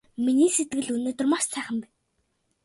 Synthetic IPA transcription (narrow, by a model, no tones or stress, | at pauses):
miniːset̪̚ɡɘ̆ɮɵnoːt̪ɵ̆rmaʃsæːχə̆mpæn